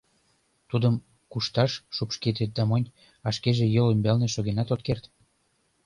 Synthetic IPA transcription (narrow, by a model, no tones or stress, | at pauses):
t̪ud̪əm | kuʃt̪ɑʃːupʃket̪et̪̚d̪ɑmonʲ | ɑʃkeʒejolymbælneʃoɣenɑt̪ot̪̚kert̪